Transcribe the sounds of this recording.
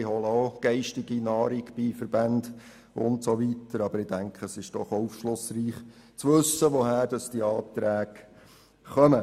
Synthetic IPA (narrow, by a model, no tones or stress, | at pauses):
ɪɦɔləoɡ̥ɛɪʃtɪɡinɑːɾiɡb̥ifəɾbænd | ʊntsoʋitəɾɑbəɾɪd̥æŋkʰəsɪʃd̥ɔχɔufʃlʊsriːχ | t͡sʋɵsːəʋoɦhæːɾd̥ɑsd̥iɑːt̪ɾæːɡ | χœmə